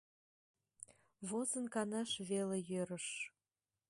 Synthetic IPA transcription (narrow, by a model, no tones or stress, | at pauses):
βozə̆nkɑnɑʃβelejøɾə̆ʃ